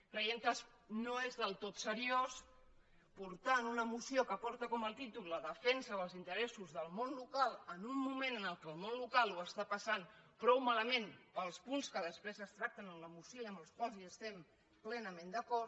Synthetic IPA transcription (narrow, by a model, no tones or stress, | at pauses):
kɾəjent̪əs | noezðəlˠt̪ot̪səɾios | puɾt̪aənunəmusiokəpɔɾt̪əkɔməlˠt̪it̪ulləðəfɛnsəβəlˠzint̪əɾɛsuzðəlˠmonlukalˠənumːumẽnənəlˠkəlˠmonlukalˠuəst̪apəsanpɾɔwmaləmẽnpəlˠspunskəðəspɾezəst̪ɾak̚t̪ənəmləmusoəmbəlˠskwalˠziəst̪ɛm | plɛnəmẽnd̪əkɔɾt̪